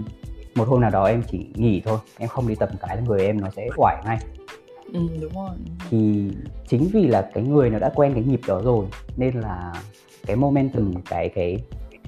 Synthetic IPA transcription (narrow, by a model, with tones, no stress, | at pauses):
mo˨˩t̚ho˧mnaː˨˩wɗɔ˨˦ʔɛ˧mt͡ɕḭ˧˩ŋḭ˧˩t̪ʰo˧jʔɛ˧mxə˧wŋ͡mɗi˧t̪ə˨˩p̚kaː˨˦la˨˩ŋɨ˨˩əjʔɛ˧mnɔ˨˦sɛ̰˧˥ʔwaː˧˩jŋa˧j | ɨ˨˩ʊ˨˦˧t̪ʰi˨˩t͡ɕï˨˦ŋ̟vi˨˩laː˨˩kaː˨˦jŋɨ˨˩əjnɔ˨˦ɗa̰ː˧˥kwɛ˧nkaː˨˦jŋi˨˩p̚ɗɔ˨˦zo˨˩jne˧nlaː˨˩ | kaː˨˦jmo˧mɛ˧nt̪ɨ˨˩mkaː˨˦jka˨˦